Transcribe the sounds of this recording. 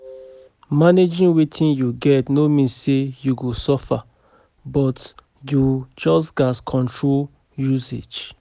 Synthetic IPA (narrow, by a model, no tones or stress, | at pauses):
maned͡ʒĩnwetʰĩnjuɡɛtnomĩnsejuɡosɔfa | bɔt | jud͡ʒɔs̬ɡaskʰɔ̃ntʰɹol | juzḛd͡ʒ